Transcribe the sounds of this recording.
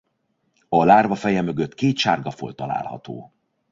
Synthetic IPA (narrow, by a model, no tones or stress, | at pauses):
ɒlaːrvɒfɛjɛmø̞ɡøt̪ːkeːt̪ʃaːrɡɒfo̞̰lt̪ɒla̰ːlhɒ̰t̪o̰ː